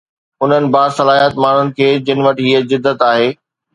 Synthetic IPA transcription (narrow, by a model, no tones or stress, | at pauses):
ʊn̤ənɪ̆baːsɐlaːiɦət̪maːɳ̤ʊnɪ̆kʰeːd͡ʑɪnɪ̆ʋɐʈɪɦiəzɪd̪ːət̪aːɦeː